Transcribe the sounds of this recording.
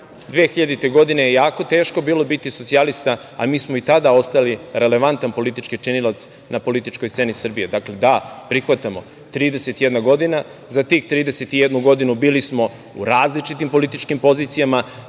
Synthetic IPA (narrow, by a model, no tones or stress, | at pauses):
d̪ʋeːxiʎad̪it̪e̞ɡo̞d̪inejejaːko̞t̪e̞ːʃko̞biːlo̞bit̪iso̞t̪sialist̪a | a̰miːsmoit̪ad̪ao̞st̪ajaliɾe̞le̞ʋant̪anpo̞lit̪it͡ʃkit͡ʂinilat̪s | napo̞lit̪it͡ʃko̞jst̪se̞nisr̩bijed̪akle̞d̪apɾixʋat̪amo̞ | t̪ɾiːd̪ese̞t̪ijed̪naɡo̞d̪ina | zat̪iːxt̪ɾiːd̪ese̞t̪ijed̪nuɡo̞d̪inubiːlismo̞ | ṵɾaːzlit͡ʃit̪impo̞lit̪it͡ʃkimpo̞ziːt̪sijama